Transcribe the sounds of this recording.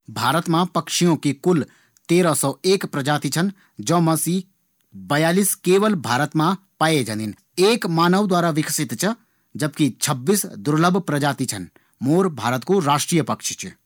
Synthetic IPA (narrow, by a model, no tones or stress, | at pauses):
bʱaːɾət̪mãpɐkʃijõkikʊl | t̪eːɾasɔeːkpɾɐd͡ʒaːt̪it͡ʃʰən | d͡ʒɔ̃ːmɐsiː | bɐjaːliːskeːʋəlbʱaːɾət̪mã | paːjed͡ʒãnd̪in | eːkmaːnəʋd̪waːɾaʋɪksɪt̪t͡ʃʰə | d͡ʒəbkit͡ʃʰɐbːiːsd̪ʊɾləbʱpɾɐd͡ʒaːt̪it͡ʃʰɐn | moːɾbʱaːɾət̪koɾaːʃʈɾiːjəpɐkʃt͡ʃʰ